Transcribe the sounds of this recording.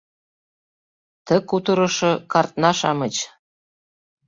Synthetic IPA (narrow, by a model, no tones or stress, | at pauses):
t̪ə̆kut̪ɤ̆ɾɤ̆ʃɤ̆kɑrt̪̚nɑʃɑmə̆t͡ɕ